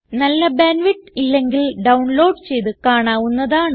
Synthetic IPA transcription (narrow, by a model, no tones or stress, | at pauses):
nɐlːɐbeːnʋiʈːilːe̞ŋɡilɖɐwɳlo̞ːɖt͡ɕe̞jt̪ɨkaːɳaːʋunːɐðaːɳ